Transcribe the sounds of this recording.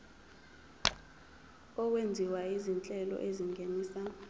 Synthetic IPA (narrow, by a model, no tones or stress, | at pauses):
ɔwend͡zʱiwaizint͡ɬʼɛlɔ̰ʔeziŋʱeniːsa